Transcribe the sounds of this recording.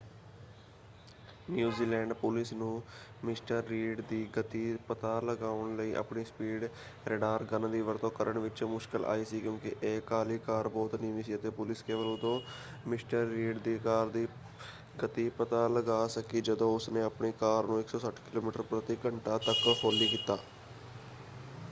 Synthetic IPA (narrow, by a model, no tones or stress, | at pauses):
njuːziːlɛ̃ːɳɖpʊlɪsnũːmɪsʈəɾːiːɖd̪iːɡət̪iːpət̪aːləɡaːəɳləiːʔa̰pɳiːspiːɖ | ɾɛɖaːɾɡənd̪iːʋəɾt̪õːkəɾʔəɳʋɪt͡ʃmʊʃkəlʔa̰ːiːsiːkjõːkɪʔeːkaːliːkaːɾbɔːt̪nɪ̃ːʋiːsiːət̪eːpʊlɪskeːʋəɾuːt̪õː | mɪsʈəɾːiːɖd̪iːkaːɾd̪iː | ɡət̪iːpət̪aːləɡaːsəkiːd͡ʒəd̪õːʊsneːəpɳeːkaːɾnũːɪksɔːsəʈʰkɪloːmiːʈəɾpɾət̪iːkəɳʈaːt̪əkhoːliːkɪt̪ːaː